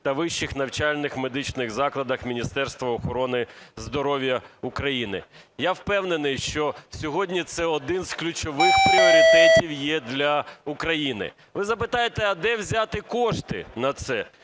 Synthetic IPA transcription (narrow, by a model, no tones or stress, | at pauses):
t̪ɐʋɪʃt͡ʃːɪxnɐwt͡ʃalʲnɪxmed̪ɪt͡ʃnɪɣzɑklˠɐd̪ɐxmʲinʲist̪ɛrst̪ʋɐɔxɔɾɔnɪzd̪ɔɾɔʋʲjɐukɾɐjinɪ̰ | jawpɛwnenɪjʃt͡ʃɔsʲɔɦɔdʲnʲit̪sɛɔd̪ɪnz̥klʲʊt͡ʃɔʋɪxpɾʲiɪɔɾʲɪt̪ɛtʲiwjɛd̪lʲɐukɾɐjinɪ̰ | ʋɪzɐp̬ɪt̪ɑjet̪ɛɐd̪ɛwzʲat̪ɪkɔʃt̪ɪ̰nɐt̪sɛ